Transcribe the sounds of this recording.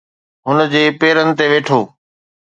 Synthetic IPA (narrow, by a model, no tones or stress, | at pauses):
ɦʊnd͡ʑeːpeːɾənɪ̆t̪eʋeːʈʰoː